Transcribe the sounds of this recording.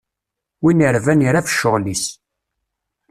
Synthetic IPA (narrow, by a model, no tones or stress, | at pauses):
winəɾvæniɾafə̥ʃːʊʁlis